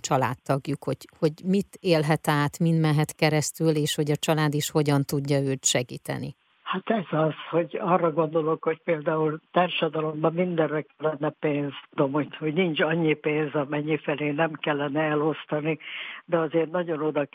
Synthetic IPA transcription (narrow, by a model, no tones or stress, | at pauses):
t͡ʃɒla̰ːt̪ːɒɡjukho̞ɟ̥ho̞ɟmit̪eːlɦɛt̪aːt̪mind̪mɛɦɛt̪kɛɾɛst̪yleːʃho̞ɟɒt͡ʃɒlaːd̪iʃho̞ɟɒnt̪uɟːɒøːt̪ʃɛɡḭːt̪ɛ̰nḭ | hat̪ɛzɒzho̞ɟɒrːɒɡo̞nd̪o̞lo̞kho̞c̚peːld̪aːult̪aːrʃɒd̪ɒlo̞mbɒmmind̪ɛrːɛkɛlːɛnːɛpeːnzt̪ud̪o̞mhohoɟnint͡ʃɒɲːipeːnzɒmɛɲːifɛleːnɛmkɛlːɛnɛɛlo̞st̪ɒnid̪ɛɒzeːrnɒɟo̞no̞d̪ɒ